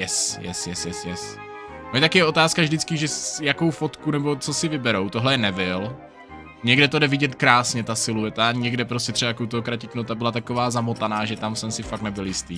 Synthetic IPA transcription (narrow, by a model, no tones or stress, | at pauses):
jɛsjɛ̰sjɛsjɛsjɛs | moɲɛt̪akɪjɛo̞t̪aːskavdɪt͡skɪʒɛsjako̞wfo̞t̪kunɛbo̞t͡sosɪvɪbɛɾowt̪oɦlɛjɛnɛbɪl | ɲɛɡdɛt̪odɛvɪɟɛt̪kɾaːsɲɛt̪asɪluɛt̪aɲɛɡdɛpɾoscɛt̪r̥ɛbakowt̪oɦokɾacɪknot̪ːabɪlat̪ako̞vaːzamot̪anaːʒɛt̪amsɛmsɪfaknɛbɪljɪst̪ḭː